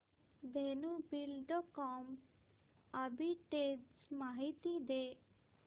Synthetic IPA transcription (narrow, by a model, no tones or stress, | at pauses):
benubilɖɔkɔm | əbʱiʈemaɦit̪id̪e